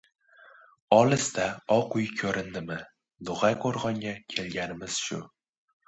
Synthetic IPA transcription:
ɒlɪst̪aɒqʰʊjkʲʰɵɾɪnd̪ɪmɪ | d̪ʊʁajqʰoɾʁɒŋɡʲakʲʰe̞lɡʲanɪmɪz̥ʃʊ̰

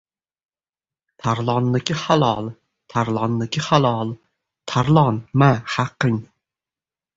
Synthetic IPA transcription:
t̪ʰaɾlˠɑnːɪkʲɪhalˠɑlˠ | t̪ʰaɾlˠɑnːɪkʲɪχalˠɑlˠ | t̪ʰaɾlˠɑnmahaqːɨŋ

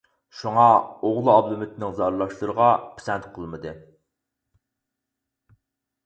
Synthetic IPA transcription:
ʃuŋɑoʁlˠɨɑblˠumɪt̪ʰnɪŋzɑɾlˠɑʃlˠɨɾəʁɑpʰe̥sɛnt̪qʰəlˠmɨd̪ɨ

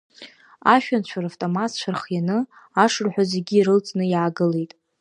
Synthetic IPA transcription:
aʃᶣant͡ɕʷʰaɾaftʼomatt͡ɕʷʰarχjanɨ | aʂɨrħʷᶣozeɡʲiːɾɨlt͡sʼnɨjaaɡɨle̞jtʼ

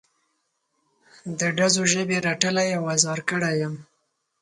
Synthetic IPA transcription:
d̪əɖazoʒəbeɾaʈəlajawazɑɾkəɽajəm

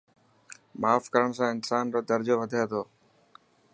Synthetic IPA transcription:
maːfkəɾəɳ̃sãːɪnsaːnɾoːd̪əɾd͡ʒoːʋəd̪ʱaeːt̪ʰoː

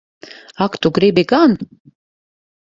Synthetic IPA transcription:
ɑkt̪uɡɾebeɡɑn

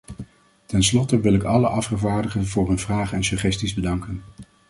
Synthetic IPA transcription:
tɛnslɔtəʋɪlɪkɑləʔɑfχəvaːɹdəχənvʊːɹɦɵnvraːχəɛnsɵχɛstizbədɑŋkən

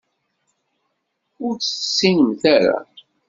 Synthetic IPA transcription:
ʊɾt͡səsːinəmθæɾa̰

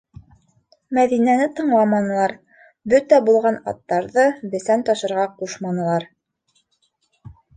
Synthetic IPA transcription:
mæðinænɘt̪ɤ̆ɴlˠɑmɑnɤ̆lˠɑɾ | bɵt̪æbulˠʁɑnɑ̰t̪ːɑɾðɤbɘ̆sænt̪ɑʃɤ̆ɾʁɑquʃmɑnɤ̆lˠɑɾ

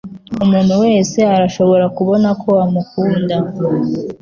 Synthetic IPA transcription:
umuːn̤̥huwe̞ːse̞aɾaʃo̞βo̞ɾakuβo̞nakʰo̞amukuːnda

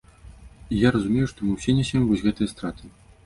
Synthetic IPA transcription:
ijaɾɐzumʲejuʂt̪ɔmɨwsʲenʲɛsʲɛmvɔzʲɣɛt̪ɨjɐst̪ɾat̪ʰɨ

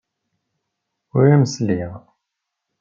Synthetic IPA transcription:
ʊɾæməsliʁ

